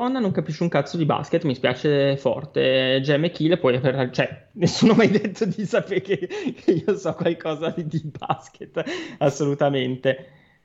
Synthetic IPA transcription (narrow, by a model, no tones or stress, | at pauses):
ɔnːanoŋkapiʃːeuŋkat̪sod̪iba̰sket̪ːmispja̰ːt͡ʃefɔ̰rt̪ed͡ʒɛmek̟ilpwɔjapeɾat͡ʃoɛ | nesːunomajd̪et̪ːod̪isapekekʰeiːosɔkwalkʰɔːzad̪id̪iba̰sket̪ːasːolut̪ament̪e